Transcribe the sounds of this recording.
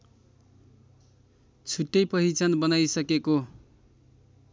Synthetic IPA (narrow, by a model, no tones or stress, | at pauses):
t͡sʰuʈːʌjpʌɦit͡sʌnbʌnajsʌkeko